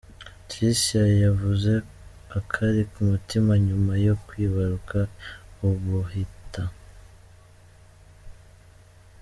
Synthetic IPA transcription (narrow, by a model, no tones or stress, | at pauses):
tisajavuze̞ | akʰaɾikumutimaɲumajo̞kwiːβaɾukʰauβuhita